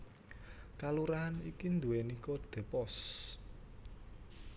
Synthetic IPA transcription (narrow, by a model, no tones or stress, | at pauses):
kaluɾaɦanikind̪uwenikɔd̪̥e̤pɔs